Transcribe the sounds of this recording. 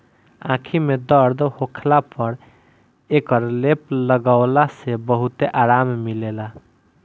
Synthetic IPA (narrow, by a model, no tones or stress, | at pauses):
ã̰kʰimed̪əɾd̪hokʰlapəɾ | ekəɾlepləɡaʊlasebəɦut̪eʔaɾammilela